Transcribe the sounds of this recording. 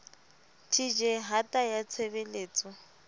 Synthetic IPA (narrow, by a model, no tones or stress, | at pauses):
tʰid͡ʒɛɦatʼajat͡sʰebeleːt͡sʼɔ